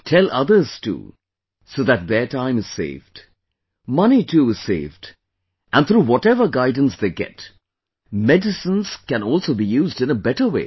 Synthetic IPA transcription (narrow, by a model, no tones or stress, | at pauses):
tʰɛlʔʌðə˞z̥tṵː | soʊðæt̪̚ðətʰãɪ̃mɨz̥sḛɪvd̥ | mʌnitʰuːɪz̥seɪvd | ʔæ̃nt̪ʰɾuːwɔtɛvə˞ɡaɪdⁿn̩sðeɪɡɛ̰t | mɛdɨsə̃nz̥kɨ̃nɔlˠsoʊbijuːzdɨ̃nəbɛtə˞wḛɪ